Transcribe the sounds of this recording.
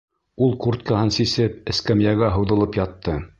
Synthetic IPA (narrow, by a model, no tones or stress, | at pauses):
ulˠkurt̪̚kɑɦɤnsisɘpɘ̆skæmjæɡæɦɤ̆wðɤ̆lˠɤpjɑt̪ːɤ